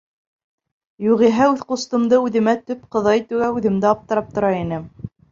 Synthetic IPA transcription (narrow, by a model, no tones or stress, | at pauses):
juʁiɦæʉðqust̪ɤ̆md̪ɤʉðɘ̆mæt̪ɵp̚qɤ̆ðɑjt̪ʉɡæʉðɘ̆md̪ɘɑp̚t̪ɤ̆ɾɑp̚t̪ŏɾɑinɘm